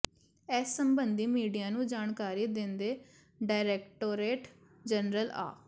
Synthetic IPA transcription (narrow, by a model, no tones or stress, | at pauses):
ɛːsːəmbənd̪iːmiːɖijãːnũːd͡ʒaːɳkaːɾiːd̪ɪnd̪eː | ɖaːɪɾeːkʈoːɾeːʈ | d͡ʒənɾəla̰ː